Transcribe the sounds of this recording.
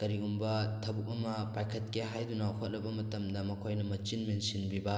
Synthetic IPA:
kɐɾiɡumbɐtʰɐbuk̚ɐmɐpajkʰɐt̚keɦajdunawkʰot̚lɐbɐmɐtɐmdɐmɐkʰojnɐmɐt͡ʃinmensinbibɐ

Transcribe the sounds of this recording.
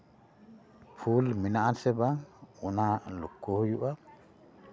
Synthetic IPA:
fuːlmɪnaʔasɛbaʊnalʊkːohjuʔa

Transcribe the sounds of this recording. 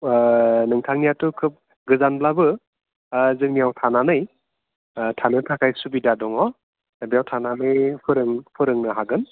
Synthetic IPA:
nɯŋtʰaŋnijatukʰɯp̚ | ɡɯzanblabɯ | zɯŋnijawtʰananɯj | tʰanɯtʰakʰajsubidadɔŋɔ | bijawtʰananɯjpʰɯɾɯŋpʰɯɾɯŋnɯɦaɡɯn

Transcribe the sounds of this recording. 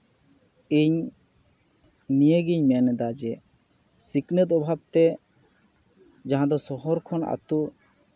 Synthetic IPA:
iɲ | nijeɡiɲmɛnɛd̪ad͡ʒɛ | siknet̪ɔbʱabt̪e | d͡ʒaɦãd̪ɔsɔɦɔɾkʰɔna̰t̪u

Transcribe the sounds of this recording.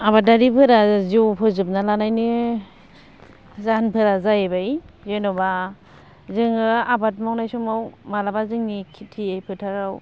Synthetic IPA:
abadaɾipʰɯɾazwpʰɯzɯp̚nalanajnɯ | zanpʰɯɾazajebaj | zenɔba | zɯŋɯabat̚mawnajsɔmawmalabazɯŋnikʰitʰiajpʰɯtʰaɾaw

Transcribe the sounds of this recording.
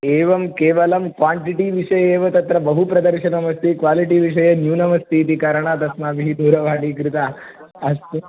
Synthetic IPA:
eːʋɐmkeːʋɐlɐmkʋaːɳʈiʈiʋiʂɐjeːʋɐt̪ɐt̪ɾɐbɐɦupɾɐd̪ɐɾʃɐnɐmɐst̪ʰikʋaːliʈiʋiʃ̬ɐjɐnjuːnɐmɐst̪iːt̪̬ikaːɾɐɳ̃aːt̪ɐsnaːbiɦid̪oːɾɐʋaːɽiːkɾɪt̪aː | ɐst̪

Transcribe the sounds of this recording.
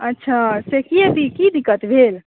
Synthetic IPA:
ətːʃʰasekiət̪ikid̪ikːət̪bʱel

